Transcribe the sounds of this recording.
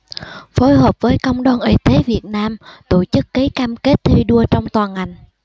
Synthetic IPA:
fo˨˦jɦəː˨˩p̚vəː˨˦jkə˧wŋ͡mɗwaː˧˩nʔḭ˧˩t̪e˨˦vi˨˩ət̚naː˧mt̪o˧˩t͡ɕɨ˦˥kːi˨˦kaː˧mke˦˥t̚t̪ʰi˧ɗu˧ət͡ɕɔ˧wŋ͡mt̪waː˨˩nŋa˨˩jŋ̟

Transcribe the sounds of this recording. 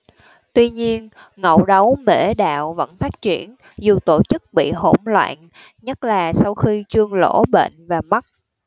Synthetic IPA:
t̪wi˧ɲi˧ən | ŋə̰˧˨wɗə˨˦wme˧˥ɗa̰ː˧˨wvə̰˧˥nfaː˦˥t̚t͡ɕi˧˩ən | zu˨˩t̪o˧˩t͡ɕɨ˦˥k̚ɓḭ˧˨ɦo̰˧˩mlwa̰ː˧˨n | ɲə˦˥t̚laː˨˩sa˧wxi˧t͡ɕɨ˧əŋlo̰˧˥ɓḛː˧˨nvaː˨˩ma˦˥t̚

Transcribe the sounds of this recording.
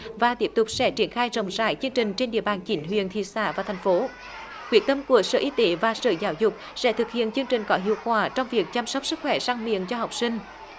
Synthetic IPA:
vaː˨˩t̪i˦˥əp̚t̪ʊ˨˩k͡p̚sɛ̰˧˥t͡ɕi˧˩ənxaː˧jzə̰˧˩wŋ͡mzaː˧˩jt͡ɕɨ˧əŋt͡ɕï˨˩ŋ̟t͡ɕe˧nɗḭ˧˨əɓaː˨˩nt͡ɕi˨˦nɦwḭ˧˨ənt̪ʰḭ˧˨sa̰ː˧˩˥vaː˨˩t̪ʰɛ˨˩jŋ̟fo˨˦ | kwḭ˨˩ək̚t̪ə˧mku˧˩əsə̰˧˨ʔi˨˦t̪e˨˦vaː˨˩sə̰ː˧˨˩zaː˨˦wzʊ˨˩k͡p̚sɛ̰˧˥t̪ʰɨ˨˩k̚hḭ˧˨ənt͡ɕɨ˧əŋt͡ɕï˨˩ŋ̟kɔ˨˦ɦḭ˧˨əwkwaː˧˩t͡ɕɔ˧wŋ͡mvi˨˩ək̚t͡ɕa˧m̚sɔ˦˥wk͡p̚sɨ˦˥k̚xwɛ˧˩saː˧ŋmḭ˧˨ənt͡ɕɔ˧ɦɔ˨˩wk͡p̚sï˧ŋ̟

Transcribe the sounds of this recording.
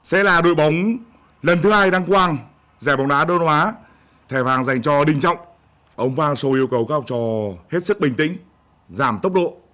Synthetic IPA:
sɛ̰˧˥laː˨˩ɗo̰˧˨jɓa˨˦wŋ͡m | lə˨˩nt̪ʰɨ˨˦haː˧jɗaː˧ŋkwaː˧ŋ | zɛː˧˩ɓa˨˦wŋ͡mɗaː˨˦ɗə˧nhwaː˨˦ | t̪ʰɛ˧˩vaː˨˩ŋza˨˩jŋ̟t͡ɕɔ˧ɗï˨˩ŋ̟t͡ɕɔ̰˧˨wŋ͡m | ʔə˧wŋ͡mvaː˧ŋso˧ʔi˧əwkə˨˧˩wkaː˦˥w̚t͡ɕɔ˧˩he˦˥t̚sɨ˦˥k̚ɓï˨˩ŋ̟t̪ï˧˥ŋ̟ | zaː˧˩mt̪ə˦˥wk͡p̚ɗo̰˧˨

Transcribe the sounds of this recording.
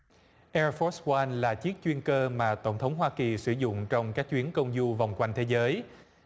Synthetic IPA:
ʔɛ˧fɔ˦˥swa˧nlaː˨˩t͡ɕi˦˥ək̚t͡ɕwi˧ənkəː˧maː˨˩t̪ə˧˩wŋ͡mt̪ʰə˨˦wŋ͡mɦwaː˧ki˨˩sɨ˧˩zʊ̰˧˨ŋ͡mt͡ɕɔ˧wŋ͡mkaː˦˥k̚t͡ɕwi˨˦ənkə˧wŋ͡mzu˧va˨˩wŋ͡mkwa˧jŋ̟t̪ʰe˨˦zəː˨˦j

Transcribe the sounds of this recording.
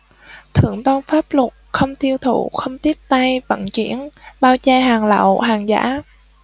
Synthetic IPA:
t̪ʰɨ̰˧˩əŋt̪ɔ˧nfaː˦˥p̚lʊ˨˩k͡p̚xə˧wŋ͡mt̪i˧əwt̪ʰṵ˧˩xə˧wŋ͡mt̪i˦˥əp̚t̪a˧jvə̰˧˨nt͡ɕḭ˧˩˥ənɓaː˧wt͡ɕaː˧ɦaː˨˩ŋla̰˧˨wɦaː˨˩ŋza̰ː˧˥

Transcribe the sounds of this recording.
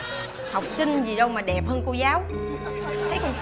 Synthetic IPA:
ha˨˩wk͡p̚sï˧ŋ̟zi˨˩ɗə˧wmaː˨˩ɗɛ˨˩p̚həː˧nko˧zaː˨˦w | t̪ʰə˨˦j

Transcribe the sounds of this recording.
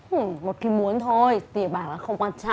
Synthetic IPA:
ʔ̩˨˩mo˨˩t̚xi˨˧˦mu˨˦ənt̪ʰo˧jt̪i˨˧˩əɓaː˧˩nʔa̰ː˨˦˥xə˧wŋ͡mkwaː˧nt͡ɕa˧˨

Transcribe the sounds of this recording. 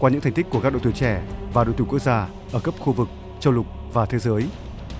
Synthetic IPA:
kwaː˧ɲɨ̰˧˥t̪ʰŋ̟t̪i˦˥kːu˧˩kaː˦˥ɗo̰˧˨jt̪u˧˩t͡ɕɛ˧˩vaː˨˩ɗo̰˧˨jt̪u˧˩kk̚zaː˧ | ʔəː˧˩kə˦˥p̚xu˧vɨ˨˩k̚ | t͡ɕə˧wlʊ˨˩k͡p̚vaː˨˩t̪ʰe˨˦zəː˨˦j

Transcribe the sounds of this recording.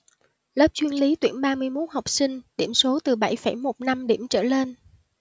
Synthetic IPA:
ləː˦˥p̚t͡ɕwi˧ənli˨˦t̪wḭ˧˩ənɓaː˧mɨ˧əjmo˦˥t̚ha˨˩wk͡p̚sï˧ŋ̟ɗi˧˩əmso˨˦t̪ɨ˨˩ɓa˧˩jfə˧˩jmo˨˩t̚na˧mɗi˧˩əmt͡ɕə̰ː˧˩le˧n

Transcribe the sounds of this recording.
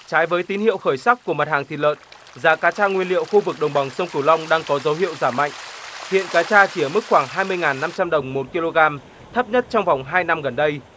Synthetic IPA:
t͡ɕaː˨˦jvəː˨˦jt̪i˨˦nhḭ˧˨əwxəː˧˩jsa˦˥k̚ku˧˩əma˨˩t̚haː˨˩ŋt̪ḭ˨lə̰ː˧˨n | zaː˨˦kaː˨˦t͡ɕaː˧ŋwi˧ənlḭ˧˨əwxu˧vɨ˨˩k̚ɗə˨˩wŋ͡mɓa˨˩wŋ͡msə˧wŋ͡mkɨ˧˩wla˧wŋ͡mɗaː˧ŋkɔ˨˦zə˨˦wɦḭ˧˨əwzaː˧˩ma̰˧˨jŋ̟hḭ˧˨ənkaː˨˦t͡ɕaː˧t͡ɕi˧˩ə˨˩mɨ˦˥k̚xwaː˧˩ŋɦaː˧jmɨ˧əjŋaː˨˩nːa˧mt͡ɕa˧mɗə˨˩wŋ͡mmo˨˩t̚ki˧lo˧ɣaː˧m | t̪ʰə˦˥p̚ɲə˦˥t̚t͡ɕɔ˧wŋ͡mva˨˩wŋ͡mɦaː˧jna˧mɣə˨˩nɗə˧j

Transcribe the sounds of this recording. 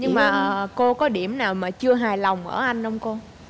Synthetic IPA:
ɲɨ˧ŋmaː˨˩ʔəː˨˩ko˧kɔ˨˦ɗi˧˩əmnaː˨˩wmaː˨˩t͡ɕɨ˧əɦaː˨˩jla˨˩wŋ͡mʔə̰ː˧˩ʔa˧jŋn̟ʔə˧wŋ͡mko˧

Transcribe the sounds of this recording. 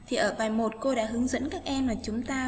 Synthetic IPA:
t̪ʰi˨˩ʔəː˧˩ɓaː˨˩jmo˨˩t̚ko˧ɗa̰ː˧˥ɦɨ˨˦əŋzə̰˧˥nkaː˦˥k̚ʔɛ˧mlaː˨˩t͡ɕʊ˨˦ŋ͡mt̪aː˧

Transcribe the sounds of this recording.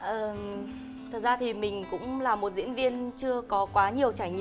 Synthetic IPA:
ʔəː˨˩ | t̪ʰə˨˩t̚zaː˧t̪ʰi˨˩mï˨˩ŋ̟kʊ̰˧˥ŋ͡mlaː˨˩mːo˨˩t̚zḭ˧˥ənvi˧ənt͡ɕɨ˧əkɔ˨˦kwaː˨˦ɲi˨˩əwt͡ɕaː˧˩jŋḭ˧

